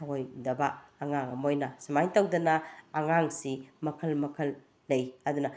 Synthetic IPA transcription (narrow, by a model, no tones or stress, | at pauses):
aojdɐbɐːŋaŋɐmojnɐsimajtawdɐnɐːŋaŋsimɐkʰɐlmɐkʰɐlː | ɐjɐd̪unɐ